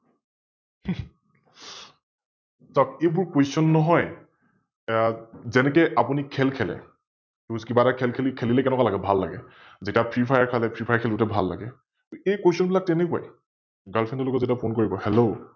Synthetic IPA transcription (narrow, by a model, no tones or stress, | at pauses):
sɔk̚ejbʊɹkwesɔnːɔɦɔj | zɛnɛk̬ɛʔapunikʰɛlkʰɛlɛ̰ | kiuzkibaɾakʰɛlkʰelikʰelilɛkɛnɛkwalaɡɛbʱalːa̰ɡɛ̰ | zetiapʰɹipʰajaɹkʰalɛpʰɹipʰajaɹkʰɛlutɛbʱalːa̰ɡɛ | ejkwesiɔnbilak̚tɛnekua̰j | ɡalpʰɛntɔlokɔzetiapʰonkoɹibɔhɛlo